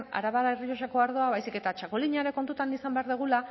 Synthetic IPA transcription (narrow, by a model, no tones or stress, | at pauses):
na̰ɾaβaɾaerioʃ̬ako̞aɾð̞o̞aβajsike̞t̪at͡ʃakoliɲaɾeko̞nt̪ut̪anisambe̞aɾðuɣ̞ula